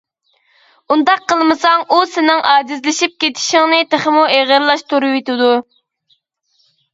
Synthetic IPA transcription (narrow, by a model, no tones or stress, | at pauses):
und̪ɑqʰːəlˠmɨsɑŋʔusɪnɪŋʔɑːd͡ʒizlɪʃip̚kʲet̪ʰi̥ʃɪŋnɪt̪ʰeχəmueʁəɾlˠɑʃt̪ʰuɾuwet̪ɪd̪u